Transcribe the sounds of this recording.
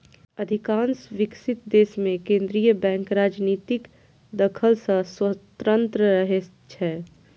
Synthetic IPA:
əd̪ʱikãːnsʋɪksɪt̪̚d̪eːsmẽkẽːnd̪ɾijəbɛ̃ːŋkɾaːd͡ʒniːt̪ɪk | d̪əkʰəlsə̃swət̪ɾə̃nt̪ɾəɾəɦe | t͡ʃʰɛ

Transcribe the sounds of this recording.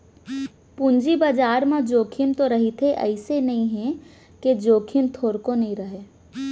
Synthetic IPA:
pũɲd͡ʒibəd͡ʒaːɾmãd͡ʒoːkʰimt̪oɾɐɦit̪ʰeʔɛ̰ɪsenɐɦĩɦɛ̃ | ked͡ʒoːkʰimt̪ʰoːɾkonɐɦĩɾɐɦeː

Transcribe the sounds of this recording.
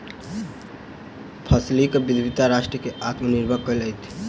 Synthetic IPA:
pʰaslikbid̪ʱbʱit̪aɾaʃʈɾəkeʔat̪məniɾbʱakɔlajt̪ʰ

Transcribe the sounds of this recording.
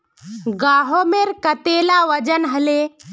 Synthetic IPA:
ɡaːɦomeɾkət̪eːlaʋəd͡ʒənɦəle

